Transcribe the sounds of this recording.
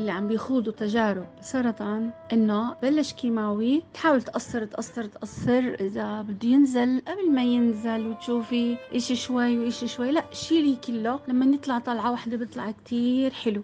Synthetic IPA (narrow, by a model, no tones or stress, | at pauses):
ʔɪlːiʕambjxuːd̪ˤut̪aʒaːɾɪbsˤɑɾˤɑt̪ˤɑnʔɪnːobalːaʃkiːmaːwit̪ħaːwɪlt̪ʔɑsːɑɾˤt̪ʔɑsˤːɑɾˤt̪ʔɑsːɪɾʔɪzabɪd̪ːujɪnzɪlʔablmajɪnzɪlwɪt̪ʃuːfiʔeːʃiʃwajːwʔeːʃiʃwajːlaʔʃiːliːkɪlːolamːanɨt̪ˤlɑʕt̪ˤɑlʕɑwaħd̪ebɨt̪ˤlɑʕkt̪ʰiːɾħɪlu